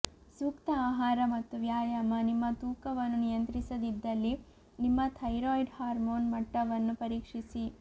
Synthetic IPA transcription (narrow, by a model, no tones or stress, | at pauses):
sukt̪ɐaːɦaːɾɐmɐt̪ːuʋjaːjamɐnimːɐt̪uːkɐʋɐnːunijɐnt̪ɾisɐd̪id̪ːɐlːi | nimːɐt̪ʰɐjɾoːjɖhaːɾmoːnmɐʈːɐʋɐnːupɐɾiːkʂisi